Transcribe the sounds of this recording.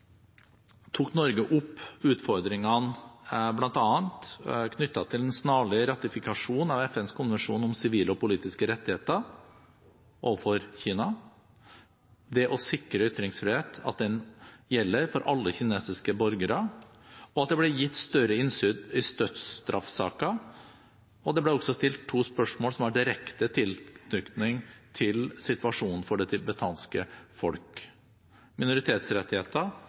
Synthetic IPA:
t̪ʰuːknɔɾɡəʔʊpːʉːt̪fɔɾd̪ɾɪŋɑnblɑnt̪ɑːɑnt̪kʰnʏt̪ːɑt̪ʰɪlɛnsnɑːɭɪɾɑt̪ɪfɪkɑʂuːnɑʋɛfɛnskʰʊnʋɛnʂuːnɔmsɪʋiːləɔpʊliːt̪ɪskəɾɛt̪ːɪheːt̪ə | o̰ʋəfɔɾçiːnɑ | d̪ɛʔɔsɪkɾəʏt̪ːɾɪŋsfɾɪheːt̪ʰɑ̰t̪̚d̪ɛnjɛlːəɾfɔɾʔɑlːəçɪneːsɪskəbɔɾɡəɾə | ɔɑt̪̚d̪ɛblɛjɪt̪ːst̪œɾəɪnsʏd̪ɪst̪øt̪st̪ɾʔɑfsɑ̰ːkɑ | ɔd̪ɛblɛɔɡsɔst̪ɪlt̪ʰːuːspœʂmoːlsɔmæɖɪɾɛkt̪ət̪ʰɪlnʏkt̪nɪŋt̪ʰɪlsɪt̪ʉɑʂuːnn̩fɔɖɛt̪ʰɪbət̪ʰɑːnskəfɔ̰lk | mɪnʊɾɪt̪ʰeːt̪sɾɛt̪ːɪheːt̪ə

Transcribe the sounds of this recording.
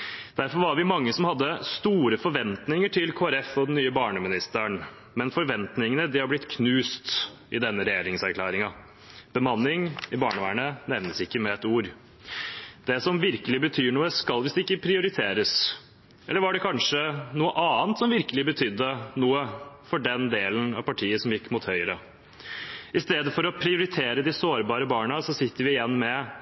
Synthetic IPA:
d̪̥æɾfɔɾʋɑɾʋɪmɑŋːəsɔmhɑd̪ːəst̪uːɾəfɔɾʋɛnt̪nɪŋəʈʰɪlkʰoːæɾɛfɔd̪ɛn̩ːyːəbɑːɳəmɪnɪst̪əɳ | mɛnfɔɾʋɛnt̪nɪŋənəd̪ɪhɑɾblɪt̪kʰnʉːst̪ | ɪd̪ɛnːəɾɛjeːɾɪŋsæɾkʰlæːɾɪŋɑ | b̥əmɑnːɪŋɪbɑːɳəʋæɪəɳənɛʋnəsɪkːəmɛɛt̪uːɾ | d̪̥ɛsɔmʋɪɾkəlɪbət̪ʰyːɳuːəskɑlʋɪsd̪ɛɪkːəpʰɾɪʊɾɪt̪ʰeːɾəs | ʔɛlːəɾʋɑɖɛkʰɑnʂənuːəʔɑːnt̪sɔmʋɪɾkəlɪbət̪ʰʏd̪ːənuːəfɔɖɛnd̪eːlən̩ɑ̰ʋpɑʈʰiːəsɔmjɪkːmʊt̪hœʏəɾə | ɪst̪eːd̪əfɔɾɔpʰɾɪʊɾɪt̪ʰeːɾəd̪ɪsoːɾbɑːɾəbɑːɳɑsɔsɪt̪ːəɾʋɪɪjɛnːmɛ

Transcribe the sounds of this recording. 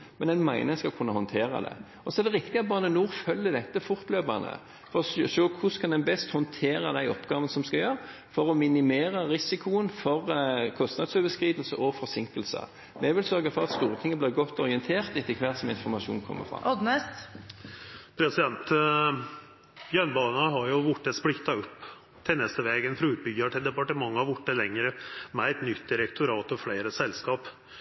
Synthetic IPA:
mɛnɛnmæɪnəskɑlkʰʉnːəhɔnt̪ʰeːɾə̰d̪ɛ̰ | ɔsɔɛɾd̪ɛɾɪkt̪ɪɑt̪̚bɑnənuːɾfœlːəd̪ɛt̪ːəfʊɾt̪løːbɑnə̰ | fɔɾɔʃøːkʰʊskʰɑnd̪ɛnbɛst̪hɔnt̪ʰeːɾəd̪æɪɔpːɡɑːʋənəsɔmskɑjøːʁ | fɔɾɔmɪnɪmeːɾəɾɪsɪkʰʊənfɔɾkʰɔst̪nɑd̪søʋəskɾiːd̪əlsəʔɔfɔɾsɪŋkəlsə̰ | mɛʋɪlsœɾɡəfɔɾɑt̪st̪uːɾət̪ʰɪŋːəblɪːɡɔt̪ːɔɾɪənt̪ʰeːɾt̪ɛt̪ːəkʰʋæɾt̪sɔmɪnfɔɾmɑʃṵːnkʰɔ̰mːə̰fʁɑ̰d̪nɛst̪ | pʰɾɛsɪd̪ɛnt̪ | jœnbɑːnɑɦɑɾjʊʋʊʈːəsplɪkt̪ɑʊpː | t̪ʰɪlnɛst̪əʋeːɡənfɾɑʉːt̪̚bʏɡəʈʰɪld̪ɛpɑʈəmɑŋːhɑɾʋʊʈːəlɛŋːɾəmɛæɪt̪nʏt̪ːd̪ɪɾɛkt̪ʰʊɾɑːt̪ɔfleɪɾəsɛlskɑːp

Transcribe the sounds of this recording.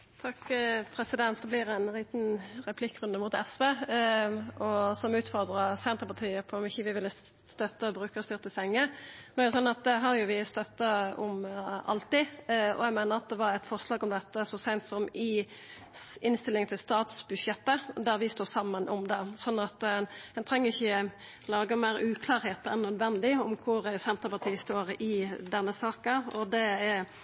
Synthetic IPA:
t̪ʰɑkpʰʁɛsɪd̪ɛnt̪̚d̪ɛblɪɾænliːt̪nʁɛpʰlɪkːɾʉnd̪əmʊt̪ɛsʋeː | ɔsɔmʉːt̪fɔʁd̪ʁəsɛnt̪ʁəpɑʁt̪ʰiːəpʰɔmɪçːəʋɪʋɪlːə | st̪œt̪ːəɔbʁʉːkəst̪ʏʁt̪əsɛŋːənoæɾd̪ɛsɔnːɑt̪̚d̪ɛɦɑʁjʊʋɪst̪œt̪ːəɔ̰mʔɑ̰lt̪ɪɔ̰jæɡmæɪnəʁɑt̪̚d̪ɛʋɑɾɛɪt̪fɔʁʂlɑːɡɔmd̪ɛt̪ːəsɔsæɪnt̪sɔmɪ | ɪnst̪ɪlːɪŋt̪ʰɪlst̪ɑːt̪sbʉdʂɛt̪ːəd̪æɾʋɪst̪oːsɑmːənʔɔ̰md̪ɛsɔnːɑt̪ɛnt̪ʰɾɛŋːəʁɪçə | lɑːɡəmæɪɾʉːkʰlɑːɾheːt̪ɛnːœd̪ʋɛnd̪ɪɔmkʰʊɾsɛnt̪əɾpɑt̪ʰiːst̪oːɾɪd̪ɛnːəsɑːkəɔd̪ɛæ

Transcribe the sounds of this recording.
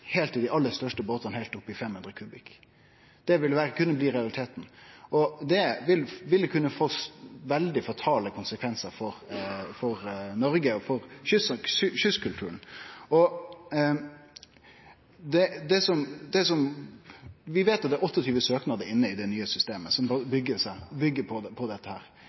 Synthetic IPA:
hɛːlt̪ɪd̪ɪʔɑlːəɾst̪œʂʈəboːt̪ɑnhɛɪlt̪ʊpːɪfɛmhʉnɾəkʰʉːbɪk | d̪̥ɛʋɪlʋækʰʉnːəbliːɾɛɑlɪt̪ʰeːt̪n̩ʔɔd̪ɛʋɪlʋɪlːkʰʉnːəfoːsʋɛld̪ɪfɑt̪ʰɑːləkʰʊnsəkʰʋɛnsəɾfɔɾfɔɾnɔɾɡəɔfɔɾɕʏsɕʏskʰʉlt̪ʰʉ̰ːənɔ | d̪ɛd̪ɛsɔmd̪ɛsɔm | ʋɪʋeːt̪ʊt̪̚d̪æʔɔt̪ːɔt̪ʰyːʋəsøːknɑd̪əɾɪnːəɪd̪ɛnyːəsʏst̪eːməsɔmbʏɡːəsæbʏɡːəpʰɔpʰɔd̪ɛt̪ːəhæ̰ːɾ

